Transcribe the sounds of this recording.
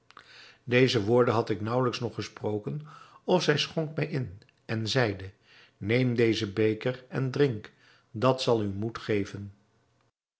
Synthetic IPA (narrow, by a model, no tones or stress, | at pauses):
dejzəʋʊːɹdənɦɑtɪknʌwləksnɔχəsprowkənɔfz̥ɛjsχɔŋkmɛjʔɪn | ɛnzɛjdə | nejmdejzəbejkərɛndrɪŋk | dɑtsɑlˠymutχejvən